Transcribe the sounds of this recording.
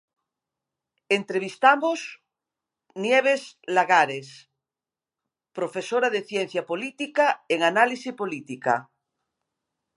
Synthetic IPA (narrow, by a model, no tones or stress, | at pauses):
ent̪ɾeβ̞ist̪amos | njeβ̞eslaɣaɾes | pɾofesoɾaðeθjen̟θjapolit̪ikaeŋanalisipolit̪ika̰